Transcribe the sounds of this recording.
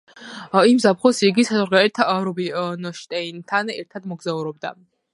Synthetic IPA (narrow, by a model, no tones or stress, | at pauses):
imzap̚ʰχɔsiɡisazɔɾɡaɛɾt̪ʰaɾɔbinɔʃt̪ʼɛint̪ʰanɛ̰ɾt̪ʰad̪mɔɡzauɾɔb̚d̪a̰